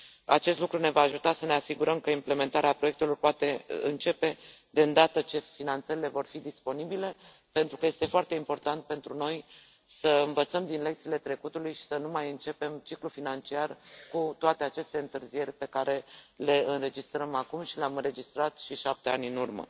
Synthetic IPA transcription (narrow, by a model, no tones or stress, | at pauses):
a̰t͡ʃe̞st̪lukɾune̞vaːʒut̪asəne̞asiɡuɾəmkəimple̞me̞nt̪aɾeapɾo̞jekt̪e̞lo̞rpoat̪e̞ɨ̰nt͡ʃe̞pe̞d̪eɨnd̪at̪ət͡ʃe̞finant̪səɾile̞vo̞rfid̪ispo̞nibile̞ | pe̞nt̪ɾukəje̞st̪e̞foart̪e̞impo̞rt̪ant̪̚pe̞nt̪ɾuno̞j | səɨnvət̪səmd̪inle̞kt̪sile̞t̪ɾe̞kut̪ulujʃi̥sənumajɨnt͡ʃe̞pe̞mt͡ʃiklufinant͡ʃiarkut̪oat̪e̞at͡ʃe̞st̪e̞ɨnt̪ɨrzije̞rʲpe̞kaɾe̞le̞ɨnɾe̞d͡ʒist̪ɾəmakumʃileamɨnɾe̞d͡ʒist̪ɾat̪ʃiʃap̚t̪e̞anʲɨnurmə̰